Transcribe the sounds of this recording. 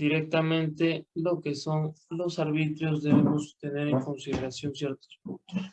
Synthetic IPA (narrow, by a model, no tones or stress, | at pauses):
d̪̥iɾek̚t̪amẽnt̪elo̞keso̞ŋlo̞saɾβit̪ɾjo̞zðeβemost̪e̞ne̞ɾeŋko̞nsiðeɾasjonsjeɾt̪o̥spunt̪os